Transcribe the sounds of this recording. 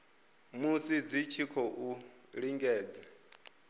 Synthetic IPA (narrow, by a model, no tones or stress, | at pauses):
musid͡zit͡ʃʰikʰɔʔu | ɺiŋɡɛːd͡zɛ